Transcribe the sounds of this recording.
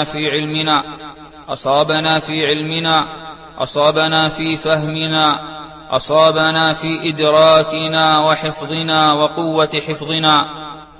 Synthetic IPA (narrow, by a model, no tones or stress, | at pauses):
fiːʕɪlmɪnaː | ʔɑ̰sˤɑːbanaːfiːʕɪlmɪnaː | ʔɑ̰sˤɑːbanaːfiːfahmɪnaː | ʔɑ̰sˤɑːbanaːfiːʔɪd̪ɾˤɑːkɪnaːwɑħɪfðˤɨnaːwɑqʊwːaħɪfðˤɨnaː